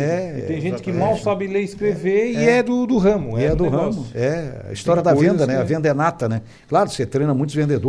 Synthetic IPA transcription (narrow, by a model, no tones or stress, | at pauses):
ɛɪẽj̃ʒẽt͡ʃɪ̥kɪmawsabɪleɪskɾeveɪɛd̪ʊd̪ʊɦɐ̃mʊiɛd̪ʊɦɐ̃mʊɛɐ̰ist̪ɔɾjɐd̪ɐvẽnd̪ɐnɛɐvẽnd̪ɐɛnat̪ɐnɛ | klaɾʊset̪ɾẽj̃nɐmũj̃t̪ʊvẽnd̪ed̪o